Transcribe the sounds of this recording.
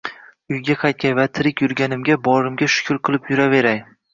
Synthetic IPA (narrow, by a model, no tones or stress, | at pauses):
ʊjɡʲaqʰɑjt̪̚kʲajvat̪ʰɪɾɪkʲjʊɾɡʲanɪmɡʲabɒɾɪmɡʲaʃʊ̥kʲʰʊɾqʰɨlˠɪpjʊɾave̞ɾaj